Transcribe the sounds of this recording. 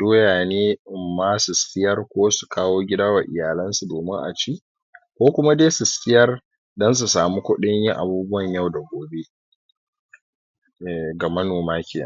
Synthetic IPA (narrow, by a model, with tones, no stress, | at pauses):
doː˦jaː˨neː˦ɪ˨mːaː˦sʊ˨skʲɪ˦jɐ˦rkʷoː˦su̥˨kaː˦woː˦ɡʲɪ˦daː˦wa˨ʔɪ˨jaː˨lɐ˦nsu˨doː˨mɪ˦ŋʔa̰˨t͡ʃiː˦ | kʷoː˦kʷʊ˦ma˦deː˦sʊ˨stʲɪ˦jɐ˦r | dɐ˦ns̬u˨saː˨mu˦kʷʊ˦ɗɪ˦ɲjɪ˦ŋʔa˨buː˦bʊ˦wɐ˨ɲjɐ˦˨wda˨ɡʷoː˨be˦ | ɛ˨ɡa˨mɐ˦noː˨maː˦kʲɪː˨na̰˦˨